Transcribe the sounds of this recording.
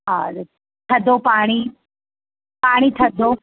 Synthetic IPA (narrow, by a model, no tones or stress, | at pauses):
ɦãː | t̪ʰɐd̪opaːɽ̃i | paːɽ̃it̪ʰɐd̪o